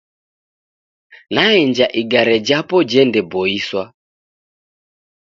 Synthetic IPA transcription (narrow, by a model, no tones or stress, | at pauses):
naɛnd͡ʒaʔiɡaɾɛd͡ʒapɔd͡ʒɛndɛbɔiswa